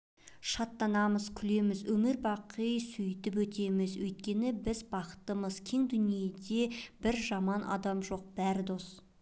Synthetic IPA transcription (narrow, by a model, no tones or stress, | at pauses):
ʃɑt̪ːɑnɑməz̥kʲʰʏle̞mɪzwɵmɪɾbɑqəjsʏjt̪ɪp̬wɵt̪e̞mɪzwɵjt̪̚kʲe̞nɪbɪzbɑqə̥t̪əməzkʲʰe̞ŋd̪ʏnije̞d̪e̞b̥ɪɾʒɑmɑnʔɑ̰d̪ɑmʒo̞q̚b̥æɾɪd̪o̞s